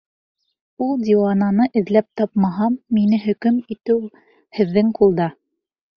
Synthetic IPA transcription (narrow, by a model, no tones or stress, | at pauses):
ulˠd̪ʲiwɑnɑnɤʔɘ̆ðlæp̚t̪ɑpmɑɦɑmːinɘɦɵ̆kɵmit̪ɘw | hɘ̆ðːɘŋqʰulˠd̪ɑ